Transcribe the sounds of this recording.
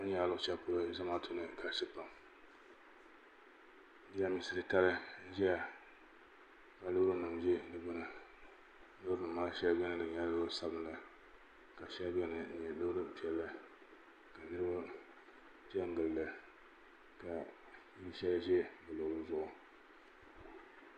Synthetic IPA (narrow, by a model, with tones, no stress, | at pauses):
ɲ˦a˨˦˨lʊ˦ʔʊ˦t͡ʃɛ˦pʊ˦lɨ˦za˦ma˦tʰʊ˦nɨ˨kʰa˨ʃɛ˦pa˨m˦ | dja˦mi˨sɨ˨ɾɨ˨ta˦lɨ˦ʒɛ˦ja˨ | ka˨lʊ˦bɾɨ˦nɨ˨mʒɛ˦nɨ˦bʊ˦nɨ˨ | nɨ˦bɾɨ˦nɨ˨mːaː˦lʃɛ˦lbɛ˦nɨ˦dɨ˨ɲa˦a˦sa˦bɨ˦n˦la˨ | ka˨ʃɛ˦lbɛ˦nɨ˨˦ɲ˨ɛ˨lʊ˦ɾɨ˦pi˨ɛ˨lːa˦ | ka˨nɨ˦ɾɨ˦ba˦ | d͡ʒɛ˦ŋ˦ɡɨ˨llɨ˦ | ka˨˦ | i˦ʃɛ˦lʒɛ˦bɨ˨lo˨ʊ˨zʊ˦ʔʊ˨